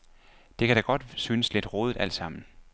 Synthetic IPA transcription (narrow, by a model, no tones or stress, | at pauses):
d̥e̝kʰæɾ̥ɑɡ̥ɒ̽d̥syːnəsle̝d̥ʁoːð̞ˠd̥æl̰d̥sɑ̈m̰n̩